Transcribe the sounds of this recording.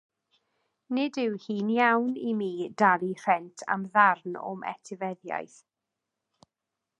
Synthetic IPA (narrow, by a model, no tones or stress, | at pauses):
nɪdɪwhiːnjawnimiːdalir̥ɛntʰa̰mðarno̰mʔɛ̰tʰɪvɛðja̰jθ